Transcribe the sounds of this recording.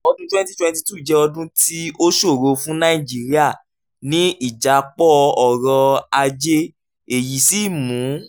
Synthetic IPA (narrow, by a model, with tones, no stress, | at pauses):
ɔ˧dũ˦twɛ̃˦nti˦twɛ̃˧nti˧tu˦˨d͡ʒɛ˧ɔ˧dũ˦tʰi˦o˦ʃo˦˨ɾo˧fũ˦nã˦i˦˨d͡ʒi˨˦ɾi˦a˦˨ | nĩ˦ʔi˦˨d͡ʒa˨˦˧k͡pɔ˦˧ɔ˨ɾɔ˧a˧d͡ʒe˦ | e˨ji˨˦si˦˨mũ˨˦